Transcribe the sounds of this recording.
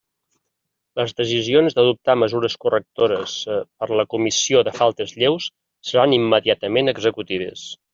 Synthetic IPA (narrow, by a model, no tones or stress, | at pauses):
ləzðəsizionzðəðup̚t̪aməzuɾəskurək̚t̪oɾəspəɾləkumisioðəfalˠt̪əzʎewsː | əɾanimːəðiat̪əmenəɡzəkut̪iðə̰s